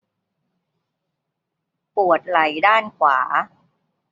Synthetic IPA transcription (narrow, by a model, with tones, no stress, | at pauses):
pu˨˩ət̪̚la˨˩˦jdaː˥˩nkʰwaː˩˦